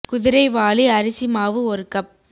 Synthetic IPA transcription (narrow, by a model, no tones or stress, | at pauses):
kʊðɪɾɐɪʋaːliɐɾɪsimaːʋɯɔɾɯkɐp̚